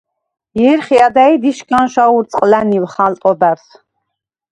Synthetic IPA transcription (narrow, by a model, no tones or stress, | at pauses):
jɛɾχiad̪ajd̪iʃkʰʼanʃauɾt͡sʼqʼlæniwχalt̪ʼɔbæɾs